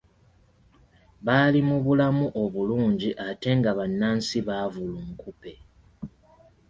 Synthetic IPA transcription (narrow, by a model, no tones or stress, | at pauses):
βaːlimuβulamuʔo̞βuluːɲɟiʔate̞ŋɡaβanːaːnsiβaːvuluŋkupe̞